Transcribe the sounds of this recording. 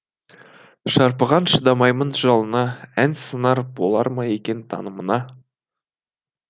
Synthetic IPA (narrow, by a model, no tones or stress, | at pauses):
ʃɑɾpəʁɑnʃəd̪ɑmɑjmənʒɑlˠənɑænsənɑɾbo̞lˠɑ̰ɾmɑje̞kʲe̞nt̪ʰɑ̰nəmənɑ